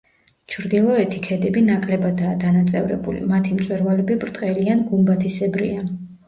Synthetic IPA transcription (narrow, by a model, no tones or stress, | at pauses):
t͡ʃʰɾd̪ilˠɔɛt̪ʰikʰɛd̪ɛbinakʼlɛbad̪aːd̪anat̪sʼɛ̰vɾɛ̰bṵlḭmat̪ʰimt̪sʼwɛɾvalɛbibɾt̪ʼqʼɛlianɡumbat̪ʰisɛbɾḭa